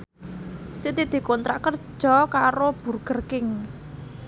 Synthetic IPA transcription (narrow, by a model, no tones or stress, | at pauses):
sit̪id̪̥i̤kɔnt̪ɾaʔkərd̥ʒ̥ɔ̤kaɾob̥ṳrɡ̥ə̤rkɪŋ